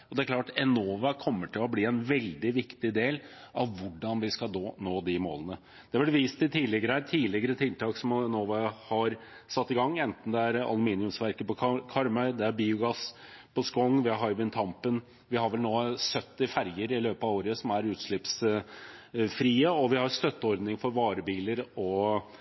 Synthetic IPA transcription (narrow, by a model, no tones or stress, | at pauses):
ɔd̪ɛæɾklɑːʈɛnoːʋɑkʰɔmːəʈʰɪlɔbliːɛnʋɛld̪ɪʋɪkt̪ɪd̪eːlʔɑʋʋʊɖɑnʋɪskɑd̪oːnoːd̪ɪmo̰ːlənə | d̪̥ɛɑblɛʋiːst̪ɪt̪ʰiːlɪɡəɾəæt̪ʰiːlɪɡəɾət̪ʰɪlt̪ʰɑːksɔmɛnoːʋɑhɑɾ | sɑt̪ːɪɡɑŋːɛnt̪n̩d̪ɛæɾɑ̰lʊmiːnɪʉmsʋæɾkəpɔkʰɑɾmœʏd̪ɛæɾbiːʊɡɑs | pʰɔskɔŋːʋɪhɑɦɑɪʋɪnt̪ʰɑmpən | ʋɪhɑɾʋɛlnoːsœt̪ːɪfæɾjəɾɪløːpɑʋoːɾəsɔmæɾʉːt̪ʂɭɪps | fɾiːəɔʋɪhɑɾst̪œt̪ːəɔɾd̪nɪŋfɔɾʋɑːɾəbiːləɾɔ